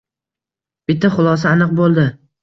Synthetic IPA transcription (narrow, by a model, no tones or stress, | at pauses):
b̥ɪt̪ʰːaχʊlˠɒs̬aːnɨq̚bolˠd̪ɪ